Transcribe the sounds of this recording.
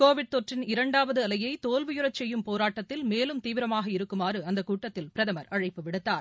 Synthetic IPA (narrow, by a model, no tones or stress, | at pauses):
koːʋɪɽ̚t̪oʈrɪnɪɾɐɳɖaːʋɐðɯɐlɐjɐɪt̪oːlʋʊjʊɾɐt͡ʃɛjːɯmpoːɾaːʈːɐt̪ːɪlmeːlɯmt̪iːʋɪɾɐmaːɣɐɪɾɯkːɯmaːɾɯɐnd̪ɐkːuːʈːɐt̪ːɪlpɪɾɐðɐmɐɾɐɻɐɪpːɯʋɪɽɯt̪ːaːɾ